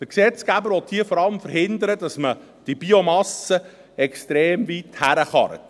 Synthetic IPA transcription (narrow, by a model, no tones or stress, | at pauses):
d̥əɾksɛt͡sɡ̥æbəɾʋɔt̪̚hiːəfɔɾɑləmfəɾhɪnd̪əɾədɑsmə | d̥ib̥iomɑsə | ɛkst̪ɾeːmvit̪hæɾəχɑ̰ɾ